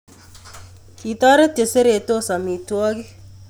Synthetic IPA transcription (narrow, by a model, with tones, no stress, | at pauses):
ki˨ta˦ɾe˦te˨se˦ɾe˨to˦sa˨mi˨twɔ˦ki˦